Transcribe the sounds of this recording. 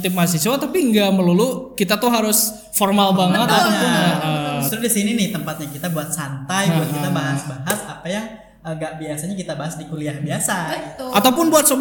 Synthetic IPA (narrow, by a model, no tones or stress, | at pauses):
t̪ɪp̚mas̬isuat̪apiŋɡaʔməlulʊkit̪at̪ʊɦaɾʊs | fɔrmalbaŋət̪at̪apʊnəʔəd͡ʒust̪ɾʊdisininɪht̪əmpat̪̚ɲakit̪abuat̪̚sant̪ajuankit̪abaɦasbaɦasapajaŋ | əŋɡaʔbiasaɲakit̪abaɦasdikuliahbiasaɡiʔat̪awpʊnbuat̪̚sob